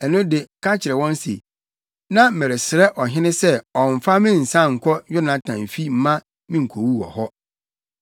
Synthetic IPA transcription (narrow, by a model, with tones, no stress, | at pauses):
ɛ˨nʊ̃˦dɪ˨kʰa˦t͡ɕʰɪ˨ɾɛ˨wɔ̃˦n˦sḛ˨ | nã˦m̩˨mɛ˨ɾe˨sɪ˨ɾɛ˦ʔɔ˨ɦɪ̃˦nɪ̃˦sɛ˦ɔ̃˨ɱ̩˨fa˦mɪ̃˦n̩˨sã˦˨ŋ̩˨kʰɔ˦jʊ˦nã˨tʰã˨m˨fi˦m̩˦mã˦ | mĩ˦ŋ̩˨kʰo˨wu˦wɔ̰˨hɔ˦